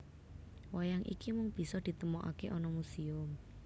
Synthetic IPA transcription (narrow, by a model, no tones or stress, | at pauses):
wajaŋʔḭkimʊŋb̥i̤sɔd̪̥i̤t̪əmoʔa̰keʔɔnɔmusiʊm